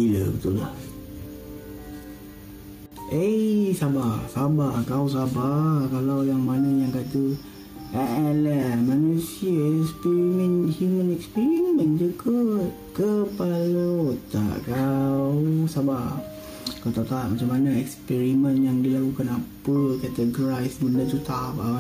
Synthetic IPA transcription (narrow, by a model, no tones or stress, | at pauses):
ilə̰kət̪ula̰h | ʔesabasabakaws̬abakalawjaŋmanajaŋkat̪u | aʔɛlahmanusiəɛkspɛɾimənhjumənɛkspɛɾimə̃nd͡ʒuɡakəpalaat̪a̰ʔkawsaba | kawt̪at̪aʔmat͡ʃamanaɛkspɛɾimənjaŋdilakukanapəkat̪əɡɾajsməndat̪ut̪apa